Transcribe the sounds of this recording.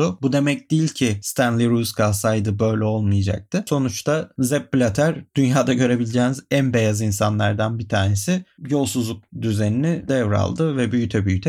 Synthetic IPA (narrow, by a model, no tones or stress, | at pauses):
ʊbud̪e̞mɛc̚d̪iilʲcʰist̪ʰænlʲˠiɾuskasajd̪ɯbø̞jlʲɛo̞lˠmɯjad͡ʒa̰k̚t̪ʰɯso̞nut͡ʃt̪ʰazɛp̚ːlʲat̪ʰæɾd̪̥ynjaːd̪aɟø̞ɾe̞bilʲid͡ʒeːnizænbe̞jazinsanlˠaɾd̪anbit̪ʰaːne̞sɪjo̞lˠsuzlˠuk̚d̪yzeninid̪ɛvɾa̰lˠd̪ɯvɛbyjyt̪ʰɛbyjyt̪ʰɛ